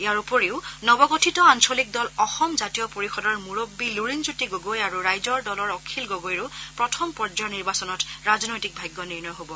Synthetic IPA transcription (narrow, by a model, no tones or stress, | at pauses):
ijaɹupoɹeʊnɔbɔɡotʰitɔansolik̚dɔlɔxɔmzatijɔpoɹixɔdɔɹmuɹobːiluɹinzutiɡoɡojaɹuɹajzɔɹdɔlɔɹɔkʰilɡoɡojɹupɹɔtʰɔmpɔɹd͡ʒɔniɹbasɔnɔtɹazɔnojtik̚bʱajɡjɔniɹnɔjɦobɔ